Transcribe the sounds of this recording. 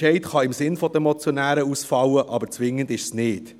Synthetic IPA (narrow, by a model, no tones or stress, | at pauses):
ɛɪtχɑɪmsɪnfɔd̥̪əɛmɔt͡sjɔnæːɾəusfɑwəʔɑbəɾt͡sʋɪŋːəndɪʃsnɪːt